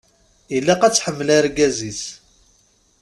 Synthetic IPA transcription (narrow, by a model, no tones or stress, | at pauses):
ilːaqæt͡sːħəmːəlæɾɡæzis